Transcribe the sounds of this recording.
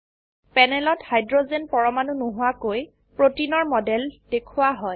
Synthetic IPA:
pɛnɛlɔthajdɹozenpɔɹɔmanunuɦʊwakoj | pɹotinɔɹmɔdɛld̥ekʰʊwaɦɔj

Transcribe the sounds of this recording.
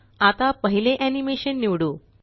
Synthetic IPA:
at̪apəɦileʔænimeɕənːiʋɽuː

